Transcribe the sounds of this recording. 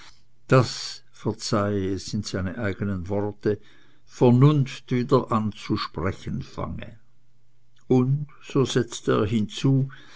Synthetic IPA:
d̥as | fɛɐt͡saɪɛsɪnz̥aɪnəʔaɪɡ̥ənənvɔʁtə | fɛɐnʊnftviːdɐʔant͡suʃpʁ̥ɛçənfa̰ŋə̰ | ʊnd | z̥oːz̥ɛt͡stəḛːɐɦɪnt͡suː

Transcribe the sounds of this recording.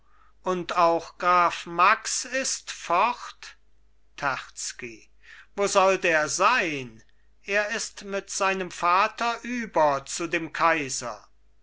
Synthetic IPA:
ʔʊntaʊxɡ̥ʁaːfmaksɪstfɔχt | tʰɛʁt͡ski | voːzɔldeːɐzaɪn | ʔeːɐɪstmɪtz̥aɪnəmfaːtɐʔyːbɐt͡sudeːmkʰaɪzɐ̰

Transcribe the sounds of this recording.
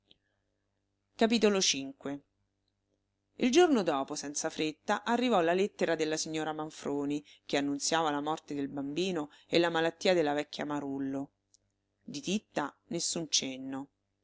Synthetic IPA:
kapit̪olot͡ʃiŋkwe | ild͡ʒornod̪ɔːposɛnt̪safɾet̪ːaʔarːivɔlːalet̪ːeɾad̪elːasiɲːoːɾamaɱfɾʔoːnik̟eanːunt̪sjaːvalamɔrt̪ed̪elbambiːnoelːamalat̪ːiːad̪elːavɛkːja̰maɾulːo | d̪it̪it̪ːanesːunt͡ʃenːo

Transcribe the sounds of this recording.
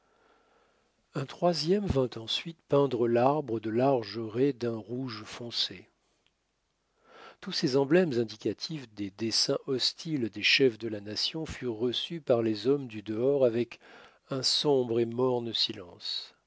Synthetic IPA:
ɛ̃t̪χwazjɛmvɛ̃t̪ɑ̃sɥit̪pɛ̃d̪ʁəlaʁbʁəd̪əlaʁʒəʁed̪ɛ̃ʁuʒfɔ̃se | t̪usezɑ̃blɛmzɛ̃d̪ikat̪ʰifd̪ed̪esɛ̃ʔɔst̪ʰild̪eʃɛfd̪əlanasjɔ̃fyʁːəsypaʁlezɔmd̪yd̪əɔʁavɛk | ɛ̃sɔ̃bʁemɔʁnsilɑ̰̃s

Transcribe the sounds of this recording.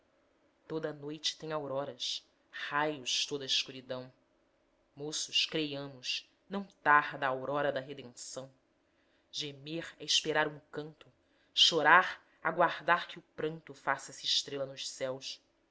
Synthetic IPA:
t̪od̪ɐnojt͡ʃɪ̥t̪ẽj̃awɾɔɾɐs | hajʊʃt̪od̪ɐɪʃkuɾid̪ɐ̃w̃ | mosʊʃkɾejɐ̃mʊʃ | nɐ̃w̃t̪aɾd̪ɐːwɾɔɾɐd̪ɐɦed̪ẽsɐ̃w̃ | ʒemeɾɛiʃpeɾaɾũkɐ̃nt̪ʊ | ʃoɾaɾ | aɡwaɾd̪aɾkɪʊpɾɐ̃nt̪ʊfasɐsiɪʃt̪ɾelɐnʊʃsɛws

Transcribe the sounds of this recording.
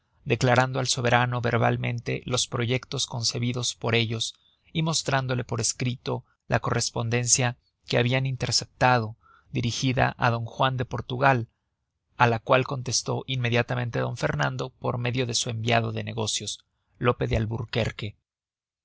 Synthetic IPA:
d̪e̞klaɾand̪oalso̞βe̞ɾano̞βe̞ɾβa̰lmẽ̞̰nt̪e̞̰lo̞spɾo̞ʝe̞kt̪o̞sko̞nse̞βiðo̞spo̞ɾe̞ʝo̞s | imo̞st̪ɾand̪o̞le̞po̞ɾe̞skɾit̪o̞ | la̰ko̞re̞spo̞nd̪e̞nsja | keaβianint̪e̞ɾse̞p̚t̪að̞o̞ | d̪iɾixiða̰ʔaðo̞ŋxwand̪e̞po̞ɾt̪uɣal | alakwalko̞nt̪e̞st̪o̞̰ʔinmːe̞ðjat̪amẽ̞nt̪e̞ðo̞ɱfe̞ɾnãnd̪o̞po̞ɾme̞ðjo̞ðe̞sue̞mbjaðo̞ðe̞ne̞ɣo̞sjo̞s | lo̞pe̞ðealβuɾke̞̰ɾke̞

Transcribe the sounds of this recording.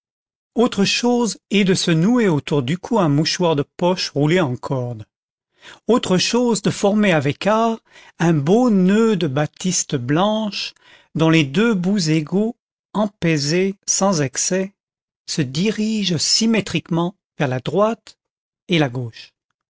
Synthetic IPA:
ot̪χəʃozɛd̪əsənueot̪uʁd̪ykʰuɛ̃muʃwaʁd̪əpɔʃʁuleɑ̃kʰɔʁd̪ | ot̪χəʃozd̪əfɔʁmeavɛkaʁ | ɛ̃bonød̪əbat̪ʰist̪əblɑ̃ʃ | d̪ɔ̃led̪øbuzeɡo | ɑ̃pɛzesɑ̃zɛksɛ | səd̪iʁiʒsimet̪χikmɑ̃ | vɛʁlad̪ʁwat̪ | elaɡoːʃ

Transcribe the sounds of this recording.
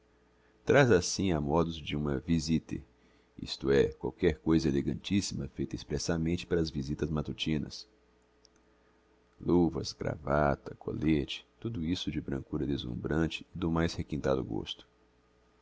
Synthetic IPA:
t̪ɾazasĩamɔd̪ʊzd͡ʒɪũmɐvizit̪ɪ̰ | ḭst̪ʊɛkwawkɛɾkojzɐeleɡɐ̃nt͡ʃisimɐfejt̪ɐispɾɛsamẽnt͡ʃɪ̥paɾɐːzvizit̪ɐzmat̪ut͡ʃĩnɐ̰s | luvɐsɡɾa̰vat̪ɐkʰo̰let͡ʃɪ̥t̪ud̪ʊisʊd͡ʒɪbɾɐ̃ŋkuɾɐd̪ezṵ̃mbɾɐ̃nt͡ʃɪ̥ːd̪ʊmajshekĩnt̪ad̪ʊɡo̰st̪ʊ̥

